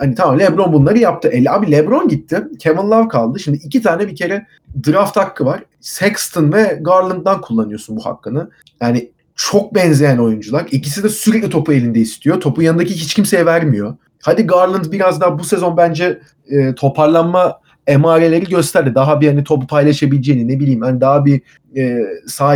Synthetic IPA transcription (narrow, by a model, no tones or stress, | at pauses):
hanit̪ʰamamlʲɛbɾo̞nbunlˠaɾɯjap̚t̪ʰɯʔelʲabilʲɛbɾo̞nɟit̪ʰːɪcʰevɯnlˠavkʰalˠd̪ɯʃimd̪iːcit̪ʰaːnɛbicʰe̞ɾɛ | d̪ɯɾaft̪ʰakːɯvaɾ̥ | sɛkst̪ʰɯnvɛɡaɾlˠɯnt̪̚d̪ankʰulˠːanɯjo̞sunbuha̰kːɯnɯ | jaːnɪ | t͡ʃʰo̞k̚bɛnzejæno̞jund͡ʒulˠaɾicisid̪ɛsyɾɛclʲit̪ʰo̞pʰue̞lʲind̪ɛist̪ʰijot̪ʰo̞pujanɯd̪aciɦit͡ʃcʰimsejɛvæɾmijo̞ | had̪iɡaɾlˠɯnt̪biɾazd̪aɦabuse̞zo̞nbænd͡ʒɛː | t̪ʰo̞pʰaɾlˠanma | emaːɾe̞lʲe̞ɾiɟø̞st̪ʰæɾd̪ɛd̪aɦabihanit̪ʰo̞pupʰajlˠaʃabilʲd͡ʒeninːe̞bilʲiːmhanid̪aɦabi | ɛːsaː